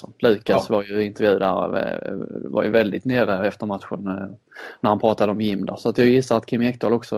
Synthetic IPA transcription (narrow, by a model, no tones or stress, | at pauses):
ɔlʉ̟ːkasvaɾjɵɪnt̪əɾvjʉ̟ːd̪æɾ̰ | va̰ɾjɵ̰vɛld̪ɪt̪neːɾəɛft̪əɾmat̪ɧʊn | næɾhanpʰɾɑːt̪ad̪əɔmjɪmːd̪a̰sɔat̪jɑːɡjɪsːaɾat̪kʰɪmːɛkt̪ɔlɔksɔ